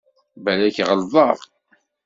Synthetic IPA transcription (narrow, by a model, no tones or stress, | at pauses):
bælæçʁəlðˤɑʁˤ